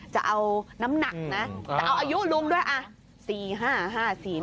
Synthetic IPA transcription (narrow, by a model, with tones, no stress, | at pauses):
t͡ɕa˨˩ʔa˧wna˦˥mna˨˩k̚na˦˥t͡ɕaa˨˩ʔa˧wʔaː˧ju˦˥lu˧əmduː˥˩əjʔa˧ | siː˨˩ɦaː˥˩ɦaː˥˩siː˨˩